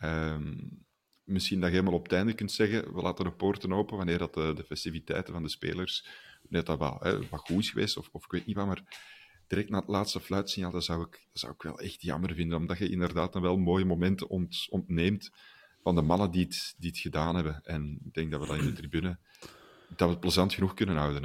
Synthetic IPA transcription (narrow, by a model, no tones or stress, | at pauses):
əm | mɪsxindɑɣeːlmalˠɔptɛjndəkʏntsɛɣəʋəla̰ːtədəpoːrtənoːpəʋanɪːrdɑtədəfɛstivitɛ̰jtəvɑndəspḛːlərswnɪːrətdɑʋɛ̰lˠɦɛ̰ɑɣuɪsxəʋḛːstɔfɔfɪ̥kʋeːt̚niʋaːrmaːr | d̥iɾɛk̚tnaːətlaːtstəflœɥtsɪnjaːlˠdɑzɑwɪkd̥ɑz̥ɑ̰wɪkʋɛ̰lˠɛ̰xtjɑ̰mərvɪndənɔmdɑtxəɪ̰ndərdaːtənʋɛlˠmoːjəmomɛntəɔntɔntneːmt | vɑndəmɑnədiətdiətxədaːnɦɛbəɛnɪɡ̚d̥ɛŋɡ̚dɑtʋədɑnɪndətribynə | d̥ɑtʋəpləzɑntxənuxkʏnənɦɑwdən